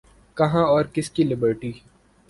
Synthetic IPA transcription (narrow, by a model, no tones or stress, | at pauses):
kɐɦãɔːɾkɪskilɪbəɾʈiː